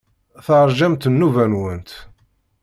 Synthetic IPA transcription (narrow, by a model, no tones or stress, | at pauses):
θəɾˤʒæmt̪ənːuvænwənt̪